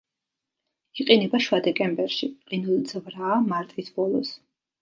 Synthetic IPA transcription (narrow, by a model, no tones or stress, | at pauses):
iqʼinɛbaʃwad̪ɛkʼɛmbɛɾʃiqʼinulˠid̪z̥vɾaːmaɾt̪ʼisbɔlˠɔ̰s